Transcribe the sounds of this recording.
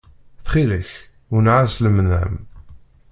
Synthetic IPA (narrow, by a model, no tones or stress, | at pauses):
θχiləç | ʊnʕasləmnæ̰m